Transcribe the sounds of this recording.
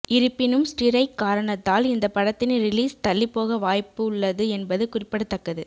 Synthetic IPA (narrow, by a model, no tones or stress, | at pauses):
ʔɪɾɯpːɪnɯmsʈɪɾɐɪkːaːɾɐɳɐt̪ːaːlɪnd̪ɐpːɐɽɐt̪ːɪnɾɪliːst̪ɐɭːɪpːoːɣɐʋaːjpːɯʊɭːɐðɯɛnbɐðɯkʊrɪpːɐɽɯt̪ːɐkːɐðɯ